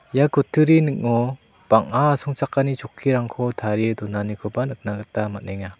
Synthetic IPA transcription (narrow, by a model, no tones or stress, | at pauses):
jakɯtʰɯɾinɯk̚ŋɔ | b̥aŋaːsɔŋt͡ʃakːanit͡ʃɔkʰːiɾaŋkʰɔtʰaɾidɔnanikʰɔbanɯt̚naɡɯtamatneŋa